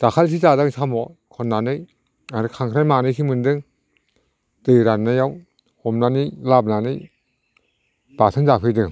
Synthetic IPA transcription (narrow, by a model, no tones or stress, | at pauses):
takʰalsʰizadaŋsʰamɔkʰɔnːaːnɯ | aɾkʰaŋkʰɾajmaːnikʰimɯndɯŋ | tɯɾanːajaw | homnanilap̚nani | paːt̪ʰanzapʰɯdɯŋ